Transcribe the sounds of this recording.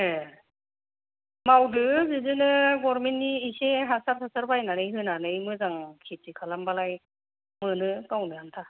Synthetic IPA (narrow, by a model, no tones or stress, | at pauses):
e | mawdɯzɯzɯnɯɡɔɾmentːiːseɦasaɾtʰasaɾbajnanɯjɦɯnanɯjmɯzaŋkʰitikʰalambalaj | mɯnɯtawnɯantʰa